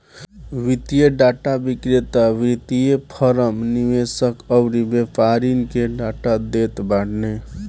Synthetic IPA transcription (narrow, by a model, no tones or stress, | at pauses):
wit̪ijeɖaʈabikɾit̪awɾit̪ijepʰəɾəmniʋesəkəbɾibepʰaɾinkeɖaʈad̪et̪baɽne